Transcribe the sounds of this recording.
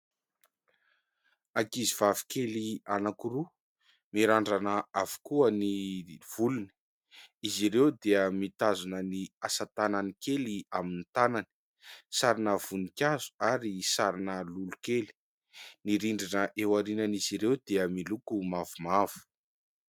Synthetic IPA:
akiziv̥avi̥kelianakuɾu | miɾaɳɖ͡ʐanəavu̥kuəniv̥uluni̥ | iziɾewd̪eəmit̪azunəniasat̪ananikeliaminit̪anani̥ | saɾinəv̥unikʲazu̥aɾisaɾinəlulukeli̥ | niɾiɳɖ͡ʐinəʔewaɾinaniziɾewd̪eəmilukumavumav̥u̥

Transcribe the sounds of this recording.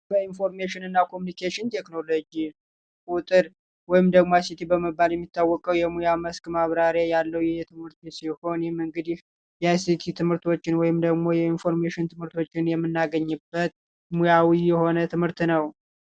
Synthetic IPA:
bəinfo̞ɾmeʃɪnɨnːakʰomunikʰeʃɪnt̪ʰe̞kno̞lo̞d͡ʒi | kʼut̪ʼɨɾ | wɔjɪmd̪əɡmoasit̪ʰibəməbːaljɛmːit̪ːawːɔkʼəwjɛmujaməskmaβɾaɾjajalːəwjɛjɛt̪ʰɨmhɨɾt̪siho̞nmɨŋɡɨd̪ih | jɛasit̪ʰit̪ʰɨmhɨɾt̪ʰo̞t͡ʃːɪnwɔjɪmd̪əɡmo̞jɛinfo̞ɾmeʃɪnt̪ʰɨmhɨɾt̪ʰo̞t͡ʃːɪnjɛmːɨnːaɡəɲːɨbːət̪̚ | mujawijɛho̞nət̪ʰɨmhɨɾt̪nəw

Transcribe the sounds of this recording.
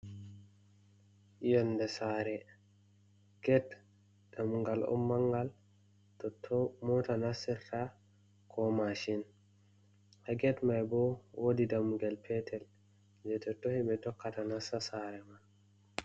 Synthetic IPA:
jɔndɛsaɾɛ | ɡ̥ɛt | d̥amuŋɡalɔ̰mːaŋɡal | tɔtʰːɔmɔtanasiɾta | kʰɔmaʃin | haɡɛtmajbɔwʔodidamuŋɡɛlpʰɛtʰɛl | d͡ʒɛtɔtːohiɓɛdɔkːatanasasaɾɛman

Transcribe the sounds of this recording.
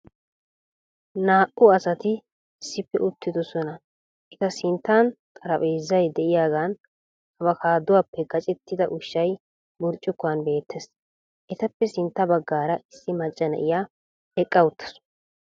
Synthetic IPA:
naːʔʊɐsɐt̪ɪ | ɪsːɪpːɛʔʊt̪ːɪd̪ɔsɔnɐ | ʔɛt̪ɐsɪnt̪ːaːnt̪ʼɐɾɐpʼeːzːɐjd̪ɛʔɪjaːɡaːn | ɐbɐkaːd̪ʊwaːpːɛɡɐt͡ʃʼɛt̪ːɪd̪ɐʔʊʃːɐj | bʊɾt͡ʃʼːʊkːʊɐnbe̞ːt̪ʰːes | ʔɛt̪ɐpːɛsɪnt̪ːɐbɐɡːaːɾɐʔɪsːɪmɐt͡ʃʼːɐnɐ̰ʔɪjaː | ɛkʼːɐʊt̪ʰːɐ̥sʊ̥

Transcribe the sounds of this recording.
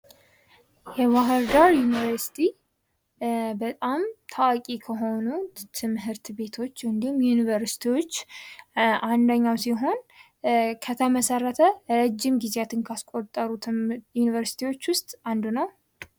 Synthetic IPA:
jɛwaɦɨɾd̪aɾjunivəɾsi̥t̪ʰi | bət̪ʼamt̪ʰawakʼikʰəɦo̞nut̪ʰɨmɦɨɾt̪be̞t̪ʰo̞t͡ʃːɨnd̪ihumjunivəɾsi̥t̪ʰiwo̞t͡ʃː | ʔand̪əɲːawsiɦo̞n | kʰət̪ʰəməsərːət̪ʰəɾɛd͡ʒːɪmɡizeat̪ʰɨnkʰaskʼot̪ʼːəɾujunivəɾsi̥t̪ʰiwo̞t͡ʃːwʊst̪ʼand̪unəw

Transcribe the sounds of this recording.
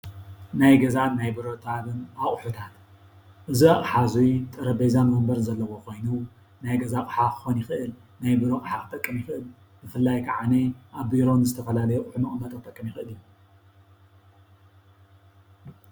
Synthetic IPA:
najɡɐzanajbɨɾo̞t̪ʰaβɨnaχʼħut̪ʰat̪ | ʔɨziaχʼħazujt̪ʼɨɾɐbɐjzamɐɨmbɐɾɨnzɐlːɐwokʰo̞jnu | najɡɐzakʼħakʰɨ̥xo̞njɪxɨʔɨl | najbɨɾo̞kʼħakʰɨ̥t̪ʼɐkʼːɨmjɪxɨʔɨl | bɨfɨlːajkʰaʕaneʔaβbiɾo̞nɨzɨt̪ʰɐfɐlalɐjuχʼħumɨχʼɨmɐt̪ʼɨt̪ʼɐkʼːɨmjiɪxɨʔɨlju

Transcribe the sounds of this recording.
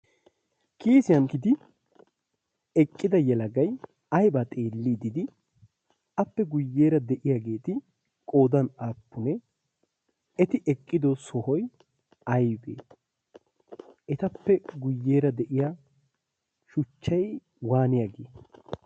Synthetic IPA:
kʰiːsɪjɐnkɪd̪ɪ | ɛkʼːɪd̪ɐjɛlɐɡɐj | ɐjbat̪ʼe̞ːlːid̪ɪd̪ɪ | ɐpːɛɡʊjːeːɾɐd̪ɛʔɪjaɡe̞ːt̪ɪ | kʼo̞ːd̪ɐnaːpːʊnɛ | ɛt̪ɪʔɛkʼːɪd̪ɔsɔhɔj | ɐjbḛː | ʔɛt̪ɐpːɛɡʊjːeːɾɐd̪ɛʔɪja | ʃʊt͡ʃːɐj | waːnɪjɐɡḛː

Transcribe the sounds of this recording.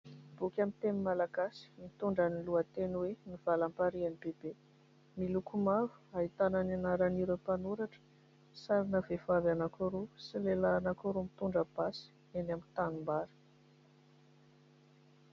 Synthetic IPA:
b̥ukʲamint̪emimalaɡasi̥mit̪uɳɖ͡ʐaniluət̪enweniv̥alampaɾianibebe | milukumavu̥aɦit̪anananaɾaniɾəpanuɾaʈ͡ʂə̥ | saɾinəvevavanakoɾusilelaːnakoɾumit̪uɳɖ͡ʐəb̥asi̥ | enamint̪anumbaɾi̥

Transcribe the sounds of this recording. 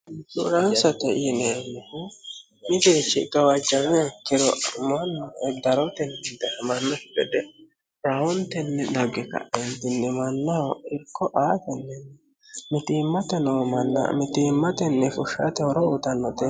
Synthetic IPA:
sʊɾɐnsɐt̪ɛʔinemːɪku | mɪd̪eːt͡ʃːɪɡ̥ɐwɐd͡ʒɐmkːɪɾɔmɐnːɔɛd̪ɐɾɔnt̪ɛnːd̪ɛɛmɐnːɔsɪbɛd̪ɛ | ɾawɔnt̪ɛnːɛd̪ɐɡɛkɐ̰ʔɛnt̪ɪnːɛmɐnːɐɔɪɾkːɔʔaːt̪ɛnːɛnːɛ | mɪt̪iːmːɐt̪ɛnomɐnːɐ̰mɪt̪iːmːɐt̪ɛnːɛfʊʃːa̰t̪ɛhɔɾɔʊt̪ɐnːɔt̪ɛ

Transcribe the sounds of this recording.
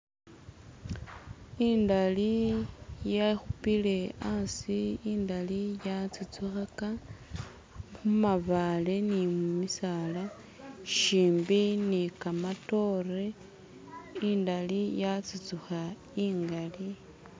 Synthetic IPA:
indali | jaxupile̞ansiindalijat͡sit͡suxaka | xumaβale̞nimumisala | ʃiːmbinikamato̞re | indalijat͡sit͡suxa | iːŋɡali

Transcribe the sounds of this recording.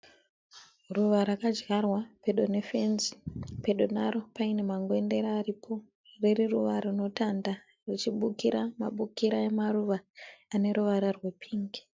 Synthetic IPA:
ruʋaɾakad͡ʒɣarwape̞ɗone̞fe̞nzipe̞ɗo̞naɾo̞paine̞maŋɡwe̞nde̞ɾaːripʰo̞ | reriruʋaɾuno̞tanda | rit͡ʃiɓukiɾama̰ɓukiɾaemaruʋaane̞ɾuʋaɾarwe̞pʰiːŋɡi̥

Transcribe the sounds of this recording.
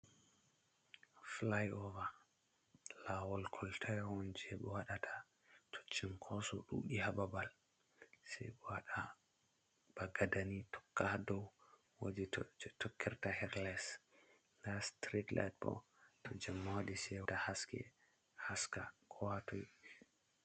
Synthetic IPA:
flajɔva | lawɔlkʰɔltʰajhɔnd͡ʒɛɓɔwaɗatʰḁ | tʰo̥t͡ʃːinkʰɔsɔ̰ɗṵɗihababal | sɛ̰jɓɔwaɗa | b̥aɡadanitʰɔ̥kːadɔw | wod͡ʒitɔkːɛɾtahɛɾlɛs | ndastɾitla̰jt̚bɔ̰tɔd͡ʒamːawadisɛwtahaskɛ̰ | haska̰kʰɔwatɔj

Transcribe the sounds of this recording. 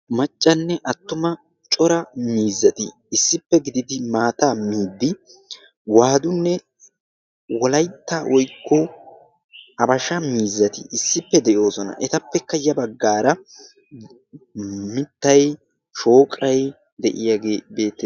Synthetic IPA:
mɐt͡ʃʼːɐnːɛʔɐt̪ːʊmɐ | t͡ʃʼɔɾɐmiːzːɐt̪ɪ̰ː | sːɪpːɛɡɪd̪ɪd̪ɪmaːt̪aːmiːd̪ːɪ | waːd̪ʊnːɛ | wɔlɐjt̪ːaːwʔɔjkːɔ | ɐbɐʃɐmiːzːɐt̪ɪʔɪsːɪpːɛd̪ɛʔjo̞ːsɔnɐ̰ʔɛt̪ɐpːɛkːɐjɐbɐɡːaːɾɐ | mɪt̪ːɐj | ʃo̞ːkʼɐj | d̪ɛʔɪjaɡebe̞ːt̪ːɛ

